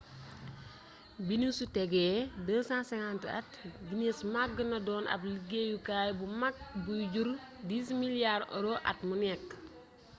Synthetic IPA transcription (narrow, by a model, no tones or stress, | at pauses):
binisutɛɡɛːdəːsãːnsɛŋantəɐ̰tbinesmaɡənɐdɔːnʔɐ̰bliɡejukaːjbumak̚bujɟuɾ | diːsmiljaɾɔ̰ɾoʔɐ̰t̚munɛkː